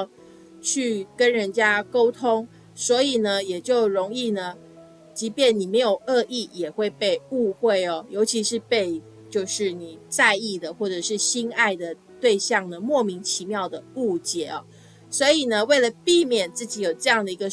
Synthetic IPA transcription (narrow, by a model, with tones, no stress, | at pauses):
t͡ɕʰy˥˩kə˦˥nɻə˧˦nt͡ɕja˦˥ko˥ʊt̪ʰo˥ŋ | swɔ˧˥i˨˩nə˦jɛ˨˩t͡ɕjo˥˩ʊɻo˧˦˥ŋi˥˩nə˩ | t͡ɕi˧˥pjɛ˥˩nni˨˩me˧˥ɪjo˨˩ʊʔə˥˧ʔi˥˩jɛ˨˩xwe˥˧ɪpe˥˧ɪu˥˧xwe˥˩ɪɔ˩jo˧˥ʊt͡ɕʰi˧˥ʂɻ̩˥˧pe˥˧ɪ | t͡ɕjo˥˧ʊʂɻ̩˥˩ni˨˩t͡sa˥˧ɪi˥˩d̪ə˩xwɔ˥˩ʈ͡ʂɤ˨˩ʂɻ̩˥˩ɕi˥na˥˩ɪd̪ə˩ | t̪we˥˧ɪɕjɑ˥˩ŋnə˩mwɔ˥˨mi˧˥ŋt͡ɕʰi˧˦mjɑ˥˩ʊd̪ə˩u˥˩t͡ɕjɛ˨˩˦ɔ̰˩ | swɔ˧˥i˨˩nə˨we˥˩ɪlə˩pi˥˨mjɛ˨˩nt͡sɹ̩˥˩t͡ɕi˨˧˥jo˨˩ʊʈ͡ʂɤ˥˧jɑ˥˩ŋd̪ə˩i˧˥ɡə˧